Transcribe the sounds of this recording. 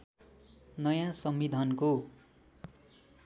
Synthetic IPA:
nʌjãsʌmːid̪ʱʌnko

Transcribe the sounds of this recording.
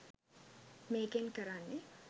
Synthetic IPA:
meːkenkəɾanːe

